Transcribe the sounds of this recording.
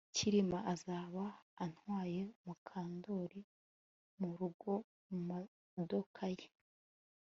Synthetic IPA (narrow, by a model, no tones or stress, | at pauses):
ciɾimaʔazaːβaːn̥waːje̞mukʰaːndo̞ːɾi | muɾuɡo̞ | muma | do̞kʰaje